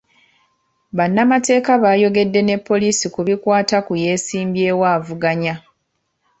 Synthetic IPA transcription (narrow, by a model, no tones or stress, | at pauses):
βanːamate̞ːkaβaːjo̞ɡe̞dːe̞ne̞pːo̞lisikuβikwaːtakuje̞ːsiːmbjeːwaːvuɡaɲa